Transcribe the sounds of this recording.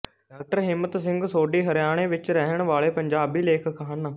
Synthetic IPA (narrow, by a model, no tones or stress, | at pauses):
ɖaːk̚ʈəɾɦɪmːət̪sɪ̃ŋɡsoːɖiːɦəɾɪjaːɽ̃eːʋɪt͡ʃɾɛɦəɳ̃ʋaːɭeːpəɲd͡ʒaːbiːleːkʰkʰɦən